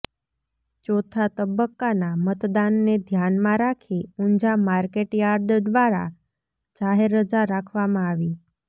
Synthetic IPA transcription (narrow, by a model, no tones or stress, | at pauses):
t͡ɕot̪ʰat̪əbəkːanamət̪d̪anːed̪ʱjanmãɾakʰiuɲd͡ʑamaɾkeʈjaɾd̪d̪ʋaɾa̰ | d͡ʑaɦeɾəd͡zaɾakʰʋamãːʋiː